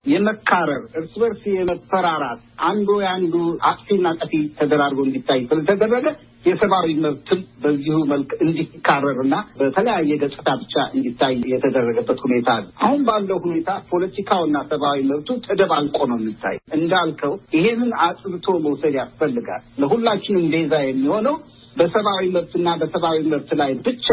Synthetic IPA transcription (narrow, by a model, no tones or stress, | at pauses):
jɛməkʰːaɾəɾɨɾsɨβəɾsijɛməfəɾaɾat̪ʔand̪ojandua̰kʼsinːakʼəfit̪ʰəd̪əɾaɾɡoɨnd̪it̪ʰːajːsɨlət̪ʰəd̪ərːəɡə | jɛsəβawiməβt̪ʰɨnbəzːihuməlkɨnd̪iikʰːarːəɾɨnːabət̪ʰələjajːɛɡət͡ʃ̪ʼːɨt̪ʰabɨt͡ʃːaɨnd̪it̪ʰːajjɛt̪ʰəd̪ərːəɡəbːət̪hune̞t̪ʰalːuʔa̰hunbalːəwhune̞t̪ʰapʰo̞lət̪ikʰawinːasəβawiməβt̪ʰut̪ʼɨd̪əβalkʷʼonəwjɛmːit̪ʰːa̰jɛʔɨnd̪alkʰəwjɪhe̞nɨnat̪ʼɨβt̪ʰo̞məwsəd̪jasfəlːɨɡa̰lːəhulːat͡ʃːɪnɨmb̪e̞zajɛmːiho̞nəw | bəsəβawiməβt̪ɨnːabəsəβawiməβt̪lajbɨt͡ʃːa